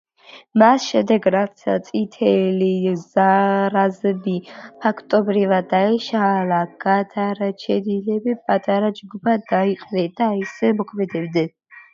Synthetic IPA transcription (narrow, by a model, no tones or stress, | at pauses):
masʃɛmd̪ɛɡɾat̪sʰa̰t̪sʼit̪ʰɛlizaɾazɛbipʰakʰt̪ʼɔbɾivad̪ːaɛʃalaɡad̪ʰʼaɾat͡ʃʰɛd̪ilɛbipʼat̪ʼaɾad͡ʒɡubad̪aiqʼnɛd̪̥aisɛmɔkʰmɛd̪ɛbd̪ɛn